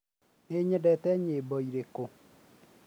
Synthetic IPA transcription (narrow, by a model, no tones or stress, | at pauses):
neɲɛdɛtɛɲeːbɔiɾeko